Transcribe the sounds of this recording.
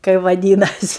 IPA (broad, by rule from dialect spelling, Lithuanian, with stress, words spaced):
kɐɪ ʋɐˈdʲiːnɐsʲɪ